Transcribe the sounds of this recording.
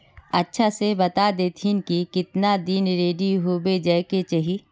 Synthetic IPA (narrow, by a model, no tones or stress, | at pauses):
ɐtːʃʰasebɐt̪ad̪eːt̪ʰinkikɪt̪nad̪inɾeːɖiɦobed͡ʒɛːket͡ʃɐɦi